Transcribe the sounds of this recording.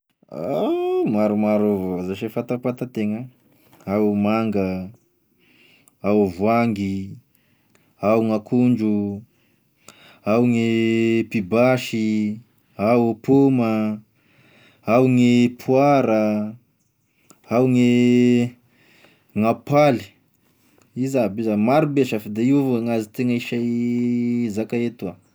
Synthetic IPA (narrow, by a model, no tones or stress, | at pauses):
amaɾumaɾovozaʃefat̪apat̪at̪eŋə | awmaŋɡə | awvwaŋɡi | awŋakʰund͡ʒu | awŋepibaʃi | awpumə | awŋepʰuaɾə | awŋe | ŋapali̥ | izabizamaɾubeʃəfid̪eiuveŋazit̪eŋaiʃa | zakaet̪ua